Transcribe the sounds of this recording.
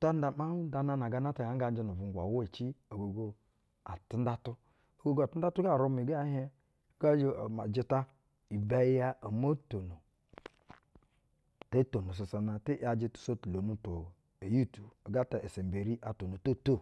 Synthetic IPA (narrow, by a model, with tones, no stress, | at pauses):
ta˦n˦da˨ma˦da˨na˦na˨ɡa˦na˦ta˨ɡa˨ŋ˦ɡa˦n˦d͡ʒe˦nu˨vu˨ŋ˨ɡʷa̰˨wo˦i˨t͡ʃi˦o˨ɡo˨ɡo˦ | a˨ti˦n˦da˦tu˦ | o˨ɡo˦ɡo˦a˨tu˦da˦tu˦ɡa˦˨ɾo˦mi˨ɡa˦ɦe˦˨ | ɡa˦d͡ʒe˦˨ma˨d͡ʒi˦ta˦ | i˨ba˦ja˦o˨mo˦to˨no˨ | te˦to˨no˨s̬o˨sa˨na˨te˦ʔa˨d͡ʒi˦tu̥˨so˦tu˨lo˨nu˦to˨ | e˨ju˦tu˨bo˨ɡa˦ta˨ʔe˨se˨m˨be˨ɾi˦ʔa˨to˨no˨to˦˨to˦˨